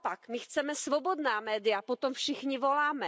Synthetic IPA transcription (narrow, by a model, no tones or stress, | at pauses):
pakmɪxt͡sɛmɛsvobo̞d̪naːmɛːdɪjapot̪omfʃɪxɲɪvo̞laːmɛ